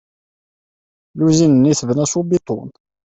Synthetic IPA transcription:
luzinənːiθvənæsubit̪ˤo̰n

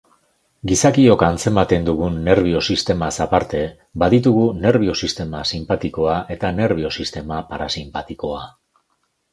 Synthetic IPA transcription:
ɡisakio̞kant͡se̞mat̪e̞nd̪uɣunːe̞ɾβ̞io̞sist̪e̞masapaɾt̪e̞ | baðit̪uɣune̞ɾβ̞io̞sist̪e̞masimpat̪iko̞aʔe̞t̪ane̞ɾβ̞io̞sist̪e̞mapaɾasimpat̪iko̞a

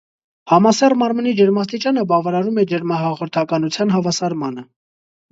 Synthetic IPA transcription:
hɑmɑsɛrmɑɾmənid͡ʒəɾmɑs̬t̪it͡ʃɑnəbɑvɑɾɑɾumɛd͡ʒəɾmɑɦɑʁɔɾt̪ʰɑkɑnut͡sʰjɑnɦɑvɑsɑɾmɑnə

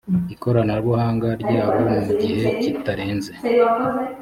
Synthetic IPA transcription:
iko̞ɾanaɾwohaːŋɡaɾɟaːβomuɟihe̞citaɾe̞ːnze

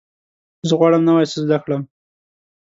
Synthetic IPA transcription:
zəɣwɑɽəmnawajsəzd̪akləm

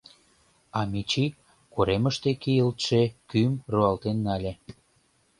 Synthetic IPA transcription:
ɑmit͡ɕi | koɾeməʃt̪ekijəlt̪ʃekymruɑlt̪enːɑlʲe

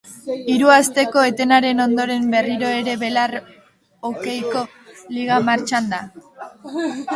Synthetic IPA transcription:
iɾuast̪e̞ko̞e̞t̪e̞naɾe̞no̞nd̪o̞ɾe̞mbe̞riɾo̞e̞ɾe̞βe̞lar | oke̞jko̞ | liɣ̞amaɾt͡ʃand̪a

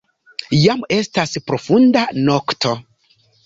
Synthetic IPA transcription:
jame̞staspɾo̞fundano̞ktʰo̞

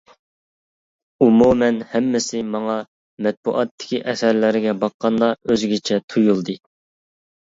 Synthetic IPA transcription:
umumɛnhɛmːɪsɪmɑŋɑ | mɛt̪̚bṵʔɑt̪ʰːɪ̥kʲiʔɛθɛɾlɪɾɪɡʲɛbɑqːɑnd̪ɑøzɡʲɪt͡ʃʰɛt̪ʰujulˠd̪ɨ

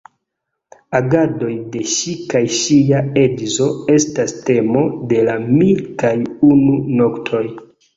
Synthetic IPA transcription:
aɡado̞jde̞ʃikajʃiaed͡ʒzo̞e̞staste̞mo̞de̞lamilkajununo̞ktʰo̞j

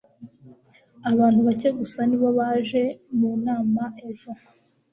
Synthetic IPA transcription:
aβaːnthuβace̞ɡusaniβo̞βaːʒe̞muːnaːmaʔeʒo

